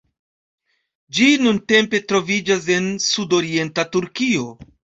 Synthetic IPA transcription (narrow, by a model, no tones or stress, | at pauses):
d͡ʒinunte̞mpe̞tɾo̞vid͡ʒas̬e̞nsudo̞ɾie̞ntatuɾkio̞